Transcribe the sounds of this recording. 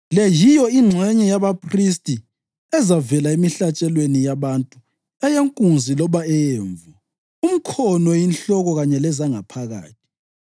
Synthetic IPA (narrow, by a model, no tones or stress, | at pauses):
lɛjijɔiŋ͡ǀʱwɛɲɛjaβapʰris̬tʼi | ɛzavɛlaemiɬat͡ʃʼɛlwenijaβantʼu | ɛjeŋkʼunzʱilɔβaɛjeːɱvu | um̩kʰɔnɔjinɬɔɣɔɣaɲɛlɛzaŋa̰pʰaɣa̰ːtʰi̥